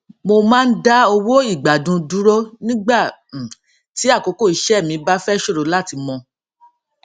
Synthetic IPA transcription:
mo˧mãː˦n̩˦da˦o˧wo˦i˦˨ɡ͡ba˨dũ˧du˦ɾo˦nĩ˦ɡ͡ba˦˨ | ti˨˦a˦˨ko˨˦ko˦˨i˨˦ʃɛ˦˨mĩ˧ba˦fɛ˦ʃo˦ɾo˨˦la˦˨ti˨˧mɔ̃˧

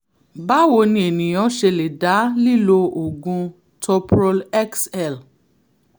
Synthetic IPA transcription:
ba˦wo˧nĩ˧e˨nĩ˨j̃ɔ̃˨˦ʃe˧le˨da˨˦li˦˨lo˧o˨ɡũ˧ | tʰɔ˧pɾɔ˧lɛ˦ksɛ˦˨l

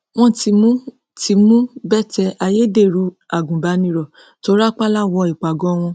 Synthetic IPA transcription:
w̃ɔ̃˦ti˧˦mũ˦ | tʰi˨˧mũ˦bɛ˦˨tɛ˧ʔa˧je˦de˦˨ɾu˧˦ | a˨ɡũ˨ba˨˦nĩ˧˦ɾɔ˨ | to˧˦ɾa˦k͡pa˦la˦˨wɔ˧i˨k͡pa˨ɡɔ̃˨˦w̃ɔ̃˧

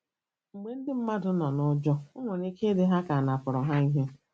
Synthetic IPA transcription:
ŋ͡m̩˨ɡ͡be˨n̩˦dɪ˦m̩˦ma˦dʊ˦nɔ˨nʊ˦d͡ʒɔ˦ʊ˦ŋʷe˨ne˦ke˦dɪ˦ɦa˦ka˨a˨na˨pʊ˨ɾɔ˨ɦa˦i˦ɦe˦

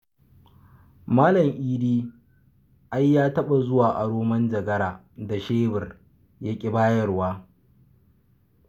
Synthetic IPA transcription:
maː˦lɐ˨ŋʔiː˦diː˦ | ʔa˦jːaː˦tɐ˦ɓa˨zʊ˦waː˨ʔa˨ɽoː˦mɐ˦nd͡ʒɐ˨ɡɐ˦ɾaː˨ | da˨ʃeː˦bɪ˨r | ja˦kʲʼɪ˦baː˦jɐ˦rwaː˦

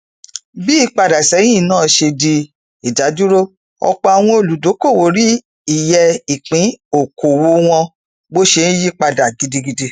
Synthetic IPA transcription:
bi˦i˦˧k͡pa˧da˨sɛ˨˦j̃ĩ˦˨nãː˦˨ʃe˧di˧ | i˨da˨˦du˦ɾo˦ | ɔ̰˧k͡pɔ˧a˨w̃ɔ̃˧o˧˨lu˨˦do˨˦ko˦˨wo˨ɾi˦ | i˦˨jɛ˧i˨k͡pĩ˨˦o˨kʰo˨wo˧w̃ɔ̃˧ | bo˦ʃe˧nĩ˦ji˦k͡pa˧da˨ɡi˨di˧ɡi˧di˧

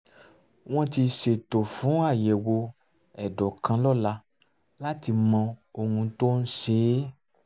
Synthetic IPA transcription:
w̃ɔ̃˦ti˧ʃe˨to˨fũ˨˦a˦˨jɛ˨wo˧ | ɛ˨dɔ˨kã˧lɔ˦˨la˧ | la˦ti˧mɔ̃˧o˧hũ˧to˦n̩˦ʃe˦

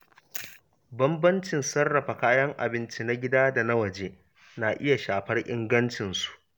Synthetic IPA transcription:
bɐ˦mbɐ˦nt͡ʃɪ˨nsɐ˦rːɐ˨ɸa˨kaː˦jɐ˦ŋʔa̰˨bɪ˦nt͡ʃi˦na˦ɡʲɪ˦daː˦da˨na˦wɐ˨d͡ʒeː˦ | na˨ʔɪ˦ja˨ʃaː˨ɸɐ˦rʔɪ˦ŋɡɐ˦nt͡ʃɪ˨nsu̥˨ʔ

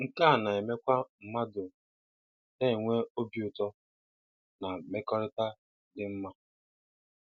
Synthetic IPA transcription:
ŋ̩˦˨ka˦˨na˨e˨me˦kʷa˦m̩˨ma˦dʊ˨ | te˦e˨ŋʷe˦o˦bi˨˦ʊ˨tɔ˦ | na˨me˦kɔ˦ɾɪ˦ta˦ | dɪ˨m̩˦ma˦

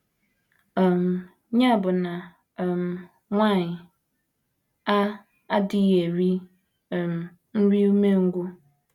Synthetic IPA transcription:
m | ɲã˦˨bʊ˨nã˨ | m | ŋã˦˨ɲ˨ | a˦ | a˦dɪ˦jɛ˨ɾi˦˨ | m˨ | n̩˦ɾi˦mẽ˦ŋ̩˦ɡʷʊ˦

